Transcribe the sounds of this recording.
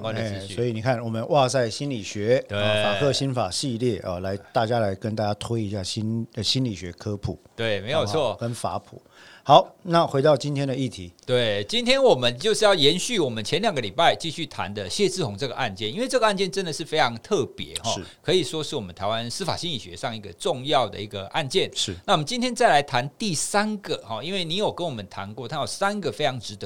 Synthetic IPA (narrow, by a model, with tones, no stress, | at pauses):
ŋkwa˦nd̪ə˥˧sy˥˩wɔ˧˥i˨ni˨˩kʰa˥˩nwɔ˨˩mə˨˦nwʔa˥˧t͡sa˥˩ɪɕi˥nli˨˩ɕɥɛ˧˥t̪we˥˩fa˨˩kʰɤ˥˧ɕi˥nfa˨˩ɕi˥˧ljɛ˥˩ʔə˨la˨˧˥ɪt̪a˥˩t͡ɕja˥la˨˧˦ɪkə˥˦nt̪a˥˩t͡ɕja˥t̪ʰwe˥ɪi˧˥ɕja˥˩ɕi˥n˧ɕi˥nli˨˩ɕɥɛ˧˦˥kʰɤ˥pʰṵ˨˩˦t̪we˥˩ɪme˧˥ɪjo˨˩t͡sʰwɔ˥˩kə˦nfa̰˧˥pʰṵ˨˩˦ | xɑ˨˦ʊna˥˨xwe˧˥ɪt̪ɑ˥˩ʊt͡ɕi˥nt̪ʰjɛ˥ndə˨i˥˩t̪ʰi˨˦t̪we˥˩ɪt͡ɕi˥nt̪ʰjɛ˥nwɔ˨˩mə˦nt͡ɕjo˥˧ʂɻ̩˥˧jɑ˥˩ʊjɛ˧˥nɕy˥˩wɔ˨˩mə˦nt͡ɕʰjɛ˧˦nljŋɡə˦li˨˩pa˥˩ɪt͡ɕi˥˧ɕy˥˩t̪ʰa̰˧˦nd̪ə˧ɕjɛ˥˧t͡s̩˥˩kʰʊ˨˥˦ŋʈ͡ʂɤ˥˩ɡə̰˩ʔa˥˧nt͡ɕjɛ˥˩ni˥nwe˥˧ɪʈ͡ʂɤ˥˩ɡə˧a˥˧nt͡ɕjɛ˥˧˨nʈ͡ʂə˥nd̪ə˨ʂɻ̩˥˩fe˥ɪʈ͡ʂʰɑ˧˥ŋt̪ʰɤ˥˩pjɛ̰˧˦xɔ̰˥˦˧kʰɤ˧˥i˨˩ʂwɔ˥ʂɻ̩˥˩wmə˦nt̪ʰa˧˥ɪwa˦nsɹ̩˥fa̰˨˩ɕi˥ŋi˨˩ɕɥɛ̰˧˦ʂɑ˥˧ŋi˧˩ɡə̰˨ʈ͡ʂʊ˥˧ŋjɑ˥˩ʊd̪ə̰˩i˧˥ɡə˨ʔa˥˧nt͡ɕjɛ˥˩nʂna˥˩wɔ˨mə˦nt͡ɕi˥nt̪ʰjɛ˥nt͡sa˥˩ɪla˧˥ɪt̪ʰa˧˦nt̪i˥˩sa˥nɡə˨xɔ˨˩i˥nwe˥˩ɪni˧˥jo˨˩ʊkə˥˦nwɔ˨˩mə˦nt̪ʰa̰˧˦nkwɔ˥˨t̪ʰa˥jo˨˩sa˥nɡə˨fe˥ɪʈ͡ʂʰɑ˧˥ŋʈ͡ʂɻ̩˧˥t̪ə˧˦